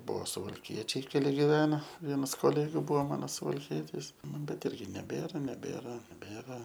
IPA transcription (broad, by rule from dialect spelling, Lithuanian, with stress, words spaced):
ˈbuɔ sʊʋɐlʲˈkʲiɛt͡ʃʲɛɪ kʲɛˈlʲɪ ɡʲɪˈʋʲæːnɐ ˈʋʲiɛnɐs koːˈlʲæːɡʲʊ ˈbuɔ ˈmɑːnoː sʊʋɐlʲˈkʲiɛtʲɪs ˈnʊ bʲɛt ˈɪrʲɡʲɪ nʲɛˈbʲeːrɐ nʲɛˈbʲeːrɐ nʲɛˈbʲeːrɐ